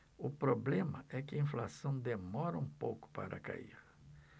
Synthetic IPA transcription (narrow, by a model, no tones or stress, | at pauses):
ʊpɾoblẽmɐʔɛkɪɐĩflasɐ̃w̃d̪emɔɾɐũpowkʊ̥pa̰ɾɐ̰ka̰ḭɾ